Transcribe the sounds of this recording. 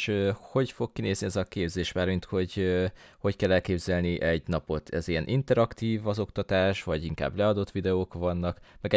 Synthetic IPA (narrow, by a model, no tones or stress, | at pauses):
ʃøho̞ɟfo̞kːineːzniɛzɒkeːbzeːʃmaːrmint̪ho̞ɟho̞ckɛlːɛlkeːbzɛlniʔɛɟnɒpo̞t̪ʰɛziɛnʔint̪ɛɾɒkt̪iːvɒzo̞kt̪ɒt̪aːʃvɒɟiŋka̰ːblɛɒd̪o̞t̪ːʋid̪ɛoːkvɒnːɒkmɛɡɛ